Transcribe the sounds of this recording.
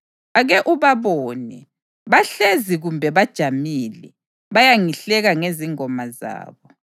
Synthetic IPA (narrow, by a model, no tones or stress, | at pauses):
aɣɛʔuβaβɔːnɛ | βaɬeziɣumbʱɛβad̥ʒ̥ʱamilɛ | βajaŋiɬɛɣaŋeziŋɔmaza̰ːβɔ